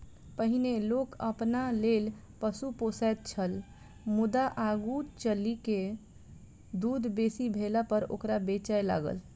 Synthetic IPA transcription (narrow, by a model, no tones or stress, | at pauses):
pəɦinelokəpnaleːl | pəsuposɛt̪̚t͡ʃʰəl | mʊd̪aʔaɡut͡ʃəlike | d̪uːd̪ʱbesibʱelapəɾo̰ːkɾabet͡ʃajla̰ːɡə̰l